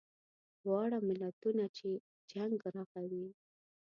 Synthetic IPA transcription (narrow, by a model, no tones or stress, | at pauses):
wɑɽamɪlat̪unat͡ʃe | d͡ʒaŋɡɾɑxawi